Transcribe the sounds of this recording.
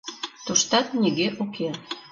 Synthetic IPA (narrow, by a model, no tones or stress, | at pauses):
t̪uʃt̪ɑt̪nʲiɣeʔokʰe